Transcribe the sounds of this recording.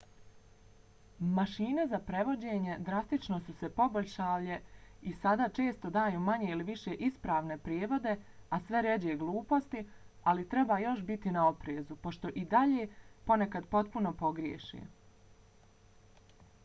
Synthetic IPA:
maʃiːne̞zapɾe̞ʋo̞d͡ʑeːɲe̞d̪ɾast̪it͡ʃno̞suse̞po̞boʎʲʃaːʋʎe̞isad̪aːt͡ʃe̞ːst̪o̞d̪aːjuːmaɲeiliʋiʃeʔispɾaːʋne̞pɾjeːʋo̞d̪e̞asʋe̞ɾed͡ʑeɡlˠuːpo̞st̪ialit̪ɾe̞baːjo̞ʃbit̪inao̞pɾeːzupo̞ʃt̪o̞ʔid̪aʎeːpo̞ne̞kad̪po̞t̪̚puno̞po̞ɡɾjḛːʃḛ

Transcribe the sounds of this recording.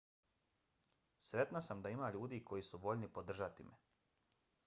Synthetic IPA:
sɾe̞t̪nasamd̪aimaːʎuːd̪iːkʰo̞jisuʋo̞ʎnipod̪r̩ʒat̪imʔe

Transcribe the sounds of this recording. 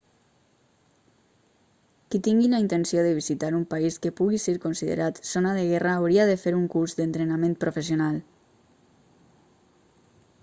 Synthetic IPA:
kit̪iŋɡilaint̪ensioðəβizit̪aɾumpaiskəpuɣiseɾkonsiðḛɾʔat̪sonaðeɣɛraːwɾiaðefeɾuŋkuɾzðent̪ɾenamẽnt̪pɾofes̬jonalˠ

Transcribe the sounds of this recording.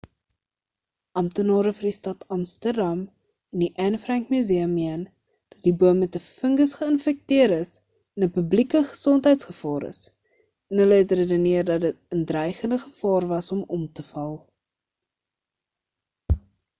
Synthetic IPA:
ʔɐmtənɑːɾəfərdistɐtɐmstərdɐm | ɛndiʔɛnfrɛŋkmyziəmːiən | d̥ɐt̚dibuəmːɛtəfəŋɡəsχəənfɛk̚tiəɾəs | ɛnəpəblikəχə̥sɔntɦɛjtsχəfɑːɾə̰s | ɛnɦələɦɛtrədəniərdɐt̚dət̚əndrɛjχəndəχəfɑːrvɐsɔmɔmtəfɐlˠ

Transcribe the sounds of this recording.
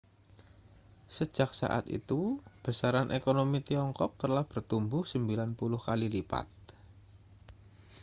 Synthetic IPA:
sə̥ʒ̥ak̚sa̰ʔa̰t̪ḭt̪ub̥ə̤saɾanʔekonomit̪iɔŋkɔk̚t̪əlahb̥ərt̪umbʊhsəmbilanpulʊhkalilipa̰t̪̚

